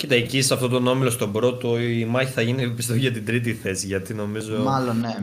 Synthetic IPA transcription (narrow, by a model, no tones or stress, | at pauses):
cit̪ɐcisɐft̪o̞t̪o̞no̞milo̞st̪o̞bɾo̞t̪o̞imɐçiθɐʝinipist̪oʝɐt̪id̪ɾit̪iθe̞siʝɐt̪ino̞mizoo̞mɐlonːe